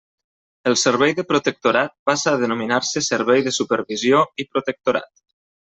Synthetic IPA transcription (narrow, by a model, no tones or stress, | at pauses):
əlˠsəɾβ̞ɛjðəpɾut̪ək̚t̪uɾat̪̚pasaːðənuminaɾsəsəɾβɛjðəsupəɾβizjoipɾut̪ək̚t̪uɾa̰t̪